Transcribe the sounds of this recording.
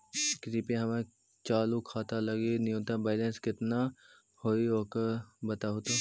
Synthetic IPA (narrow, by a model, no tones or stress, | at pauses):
kɾiːpeɦɐmẽ | t͡ʃaːlukʰaːt̪alɐɡiniõːt̪abeːlenskɪt̪na | hoːiokəbɐt̪aɦut̪o